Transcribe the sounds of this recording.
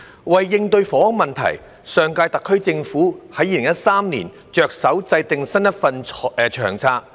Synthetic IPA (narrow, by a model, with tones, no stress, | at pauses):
wɐ˨˩jːɪ˧ŋt̪ɵ˧ɥfɔː˨˥wɔ˥ŋmɐ˨nt̪ʰɐ̰˨˩j | sœː˨ŋkaː˧jt̪ɐ˨kʰːɵ˥ɥt͡sɪ˧ŋfuː˨˥hɐ˨˥jiː˨˩lɪ˨˩ŋjɐ˥t̚saː˥mnḭː˨˩n | t͡ʃœː˨˧k̚sɐ˨˥wt͡sɐ˧jt̪ɪ˨ŋsɐ˥njɐ˥t̚fɐ˨˧nɛ˨t͡ʃʰœ̰ː˨˩ŋt͡sʰaː˧k̚